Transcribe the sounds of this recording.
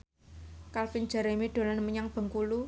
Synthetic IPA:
kalfin̥d͡ʒ̥ə̤ɾemiɖ̪̥o̤lanməɲaŋb̥ə̤ŋkulu

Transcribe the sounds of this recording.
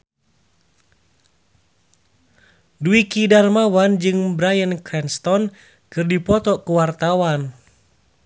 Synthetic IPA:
duikidarmawand͡ʒɨŋbɾajənkɾɛnst̪ɔn | kɨrdipɔt̪ɔkuwart̪awan

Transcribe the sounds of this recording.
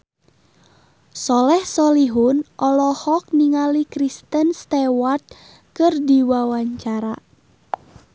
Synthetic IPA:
sɔlɛhsɔliɦʊnʔɔlɔhɔk̚niŋalikɾist̪ənst̪ɛwart̪̚ | kɨrdiwawaɲt͡ʃaɾa

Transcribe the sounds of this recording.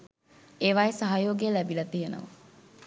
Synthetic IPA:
eːʋajesaɦajoːɡejːlæbilɐt̪ijenə̰ʋə̰

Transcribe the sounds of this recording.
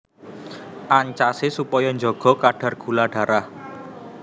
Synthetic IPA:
ʔaɲt͡ʃasesupɔjɔɲd͡ʒɔɡ̥ɔ̤kaɖ̥a̤rɡ̥ṳlaɖ̥a̤ɾah

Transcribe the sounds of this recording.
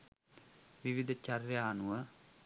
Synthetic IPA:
ʋɪʋɪd̪t͡ʃaɾjaːnuə

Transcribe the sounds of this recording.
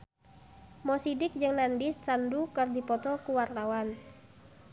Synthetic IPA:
mɔsidɪk̚d͡ʒɨŋnandist͡ʃandukərdipɔt̪ɔkuwart̪awan

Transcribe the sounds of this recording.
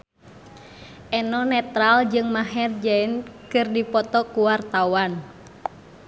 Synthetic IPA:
ʔɛnɔnɛt̪ɾald͡ʒɨŋmaɦɛrd͡ʒainkɨrdipɔt̪ɔkuwart̪awan

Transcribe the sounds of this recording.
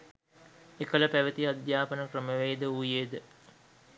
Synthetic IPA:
ekələpæʋət̪iad̪jaːpənəkrəməʋeːd̪əujeːd̪ə

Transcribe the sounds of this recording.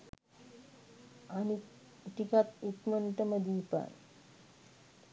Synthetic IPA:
ani | ʈ̪ikat̪ut̪məɳʈəməd̪iːpa̰n

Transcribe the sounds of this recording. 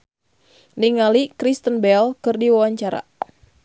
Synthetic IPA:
niŋalikɾist̪ənbɛlkɨrdiwawaɲt͡ʃaɾa̰

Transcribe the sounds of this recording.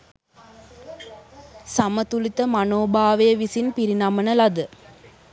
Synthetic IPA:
samət̪ulit̪əmɐnoːbaːʋɐjəʋisinpiɾinamənɐlɐd̪ɨ

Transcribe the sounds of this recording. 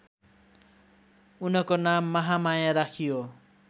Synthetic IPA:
unʌkonamːʌɦamajaɾakʰijo

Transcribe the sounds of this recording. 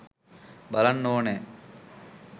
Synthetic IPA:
bɐlɐnːoːne

